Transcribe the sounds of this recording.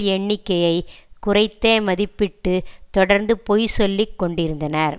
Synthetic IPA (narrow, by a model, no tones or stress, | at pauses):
ɛɳːɪkːɐjɐɪkʊrɐɪt̪ːeːmɐðɪpːɪʈːɯt̪ɔɽɐɾnd̪ɯpojsɔlːɪkːɔɳɖɪɾɯnd̪ɐnɐɾ